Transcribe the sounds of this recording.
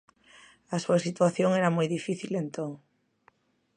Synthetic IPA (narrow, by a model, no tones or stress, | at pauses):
asuasit̪waθjoŋeɾamojðifiθilent̪õŋ